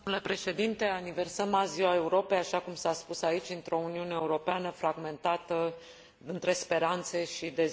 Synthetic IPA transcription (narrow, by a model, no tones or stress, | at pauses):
ule̞pɾe̞ʃe̞d̪int̪e̞anive̞rsəmaziwae̞uɾo̞pe̞jaʃakumsaspusait͡ʃʲɨnt̪ɾo̞uniune̞euɾo̞peanəfɾaɡme̞nt̪at̪ə | ɨnt̪ɾe̞spe̞ɾant̪se̞ʃid̪e̞